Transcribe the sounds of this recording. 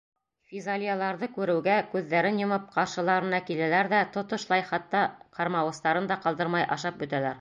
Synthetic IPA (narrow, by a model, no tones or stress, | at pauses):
fʲizalʲijalˠɑɾðɤkʉɾɘ̆wɡækʉðːæɾɘnjŏmɤp̚qɑɾʃɤ̆lˠɑɾɤ̆nɑkilælæɾðæt̪ŏt̪ŏʃlˠɑjχɑt̪ːɑqɑɾmɑwɤ̆st̪ɑɾɤnd̪ɑqɑlˠd̪ɤɾmɑjʔɑ̰ʃɑp̚bɵ̆t̪ælæɾ